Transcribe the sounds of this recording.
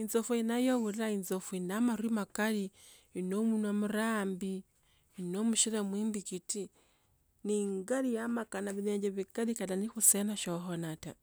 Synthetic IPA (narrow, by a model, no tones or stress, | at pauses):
inzofuinajowuɾilainzofuinamaɾuimakali | inomunamuɾaːmbiː | nomuʃiɾemwiːmbikiti | niŋɡalijamakanaβineːɲd͡ʒeβikalikatanixusenaʃoxonata